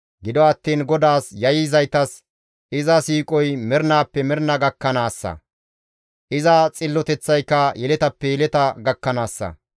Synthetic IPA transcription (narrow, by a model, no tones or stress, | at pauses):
ɡɪd̪ɔɐt̪ːiːnɡɔd̪aːsjɐjɪzɐjt̪ɐs | ʔɪzɐsiːkʼɔjmɛɾnaːpːɛmɛɾnɐɡɐkːɐnaːsːɐ̰ | ʔɪzɐt͡sʼɪlːɔt̪ɛt͡sːɐjkːɐjɛlɛt̪ɐpːɛjɛlɛt̪ɐɡɐkːɐnaːsːɐ̰